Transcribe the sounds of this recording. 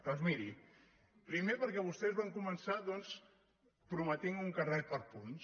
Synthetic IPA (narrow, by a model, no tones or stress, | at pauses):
əzmiɾi | pɾimepəɾkɛβust̪ɛzβaŋkumənsaðɔns | pɾumət̪iŋuŋkərɛt̪̚pəɾpuns